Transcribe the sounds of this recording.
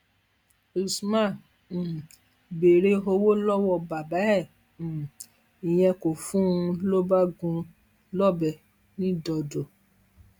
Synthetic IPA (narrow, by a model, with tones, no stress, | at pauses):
u˨smã˦˨ | be˨ɾe˦o˧wo˦lɔ˦wɔ˧˨ba˨ba˨˦ɛ̃˦˨ | i˨j̃ɛ̃˧ko˨fũ˦˧lo˦ba˦ɡũ˧ | lɔ˦bɛ˧˨ | nĩ˦dɔ˧do˨